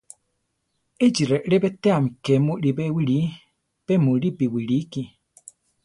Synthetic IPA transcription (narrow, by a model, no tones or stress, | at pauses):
ed͡ʒiɾɛʔɺɛbɛt̪ɛam̩kɛmuɾibɛwiɺi | b̥ɛmuɺibiwiɺiki